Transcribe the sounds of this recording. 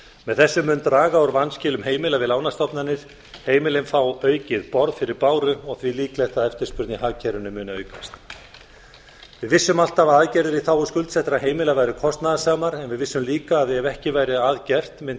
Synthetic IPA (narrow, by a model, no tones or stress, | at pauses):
mɛðθɛsːʏmːʏnt̪ɾaːɣaɔɾvanscɪːlʏmɦeːjmɪlavɪðlaːwnast̪ɔpnanɪɾ̥ | heːjmɪlɪnfawœːɥcɪðpɔɾðfɪɾɪɾpaːwɾʏɔɣθviliːklɛjht̪aðɛft̪ɪɾ̥spʏɾt̪nihaːcʰɛɾʏnʏmʏːnaœːɥkast̪ | vɪðvɪsːʏmal̥t̪avaðaðcɛɾðɪɾiθawɔskʏlt̪sɛht̪ɾaɦeːjmɪlavaːjɾɪkʰɔst̪naðasaːmaɾɛnvɪðvɪsːʏmliːkaːðɛvɛhcɪvaːjɾɪaðcɛr̥t̪mɪn